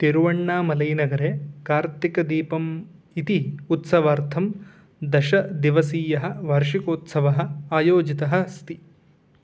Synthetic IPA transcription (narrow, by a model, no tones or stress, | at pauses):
t̪iɾuʋɐɳːaːmɐlɐjnɐɡɐɾeːkaːɾt̪ikɐd̪iːpɐm | it̪iut̪sɐʋaːɾt̪ʰɐm | d̪ɐʃɐd̪iʋɐsiːjɐɦɐ̆ʋɐɾʂikoːt̪sɐʋɐɦɐ̆aːjoːd͡ʒit̪ɐɦɐ̆st̪i